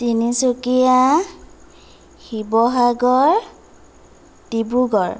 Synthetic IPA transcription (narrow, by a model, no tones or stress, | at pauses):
tinisokija | xibɔɦaɡɔɹ | tibuɡɔɹ